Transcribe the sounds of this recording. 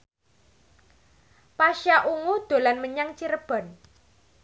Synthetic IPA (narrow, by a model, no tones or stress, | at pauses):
paʃjaʔuŋud̪̥o̤lanməɲaŋt͡ʃiɾəb̥ɔ̤n